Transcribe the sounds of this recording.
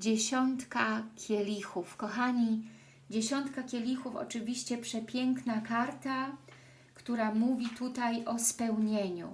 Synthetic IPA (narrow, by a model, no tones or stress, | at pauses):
d͡ʑeɕɔnt̪kakʲʰjɛlʲixufkɔxaɲi | d͡ʑeɕɔnt̪kakʲɛlʲixufɔ̰t͡ʂɘvʲiɕt͡ɕɛpʂɛpʲjɛŋknakaɾt̪a | kt̪uɾamuvʲit̪ut̪ajɔspɛwɲeɲṵ